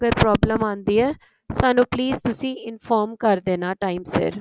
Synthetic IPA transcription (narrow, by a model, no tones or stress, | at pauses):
ɡəɾpɾɔːbləmãːnd̪iːɛː | saːnũːpliːzt̪ʊsĩːɪnfʰɔːɾmkəɾd̪eːnaːʈaːimsə̰ɾ